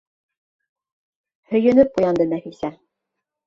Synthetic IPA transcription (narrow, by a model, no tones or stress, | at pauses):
hɵ̆jɵ̆nɘp̚qujɑnd̪ɤnæfisæ